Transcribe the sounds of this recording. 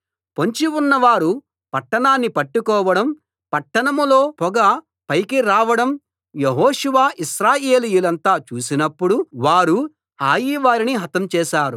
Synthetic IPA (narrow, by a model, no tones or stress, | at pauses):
po̞ɲt͡ʃiunːɐʋaːɾu | pɐʈːɐɳaːnːipɐʈːukɔːʋɐɽɐm | pɐʈːɐɳɐmulo̞ːpɔɡɐ | pɐjkiɾaːʋɐɽɐm | jeɦoːʂuʋaːʔiʃɾaːjeːlijulɐnt̪aːt͡ʃuːsinɐpːuɽuʋaːɾu | haːjiʋaːɾiniɦɐt̪ɐmt͡ʃɛːʃaːɾu